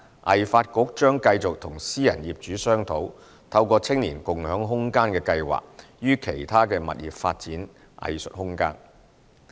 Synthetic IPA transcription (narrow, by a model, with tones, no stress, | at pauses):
ʔɐ̰˨˩jfaː˧t̚kʊ˨˥k̚t͡ʃœː˥ŋkɐ˧jt͡sʊ˨k̚t̪ʰʊ˨˩ŋsiː˥jɐ˨˩njiː˨p̚t͡ʃyː˨˥sœː˥ŋt̪ʰo˨˥w | t̪ʰɐ˧wkɔː˧t͡sʰɪ˥ŋniː˨˩nkʊ˨ŋhœː˨˥ŋɦʊ˥ŋkaː˥nkɛː˧kɐ˧jwa̰ː˨k̚ | jyː˥kʰe˨˩jt̪ʰaː˥kɛː˧mɐ̰˨t̚jḭː˨˩p̚faː˧t̚t͡siː˨˥n | ʔɐ̰˨˧jsɵ̰˨t̚hʊ˥ŋka̰ː˥n